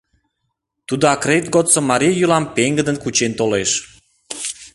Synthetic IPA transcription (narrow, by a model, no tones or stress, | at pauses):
t̪ud̪oɑkret̪̚ɡot̪t͡somːɑɾʲijulɑmpeŋɡəd̪ənkut͡ɕent̪oleʃ